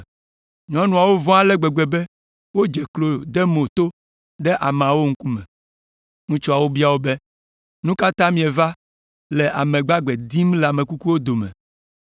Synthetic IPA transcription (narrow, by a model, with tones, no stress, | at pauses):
ɲɔ̃˦nũ˨a˨wo˦vɔ̃˦a˦lɛ˦ɡ͡be˨ɡ͡bɛ˨bɛ˦ | wo˦d͡ʒɛ˨klo˨d̪ɛ˦mo˨t̪o˦ | ɖɛ˦ʔa˨me˨a˨wo˦ŋ̩˦ku˦mɛ̃˨ | ŋũ˦t͡ʃɔ˦a˨wo˦bi˦a˨wo˦bɛ˦ | nũ˦ka˦t̪ã˦mĩ˨ɛ˨va˦ | lɛ˨ʔa˨mɛ̃˨ɡ͡ba˦ɡ͡bɛ˨d̪i˦m˦lɛ˨a˨mẽ˨ku˦ku˦wo˦d̪o˨mɛ̰˨